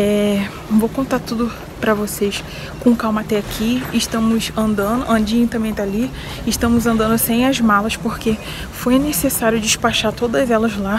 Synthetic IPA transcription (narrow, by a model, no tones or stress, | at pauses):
ɛ̃ | vowkõnt̪at̪ud̪ʊ | pɾɐvoses | kõkawmɐt̪ɛakʰiɪʃt̪ɐ̃mʊsɐ̃nd̪ɐ̃nd̪ʊʔɐ̃d͡ʒĩɲ̃t̪ɐ̃mbẽj̃t̪ali | ɪʃt̪ɐ̃mʊzɐ̃nd̪ɐ̃nd̪ʊsẽj̃ɐzmalɐspohke | fojnesesaɾjʊd͡ʒɪʃpaʃat̪od̪ɐɐzɛlɐzla